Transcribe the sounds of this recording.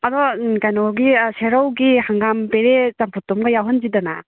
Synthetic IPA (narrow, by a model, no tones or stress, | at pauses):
adɔkajnɔɡiseɾawɡihaŋɡampeɾezampʰɔtːɔmɡɐjawɦɯnzidana̰